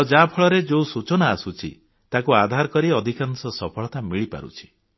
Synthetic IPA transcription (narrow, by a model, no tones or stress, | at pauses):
d͡ʒapʰɔɭɔɾed͡ʒousut͡ʃɔnaːsut͡ʃʰḭ | t̪akuad̪ʱaɾkɔɾiɔd̪ʱikansɔsɔpʰɔɭɔt̪amiɭipa̰ɾṵt͡ʃʰi̥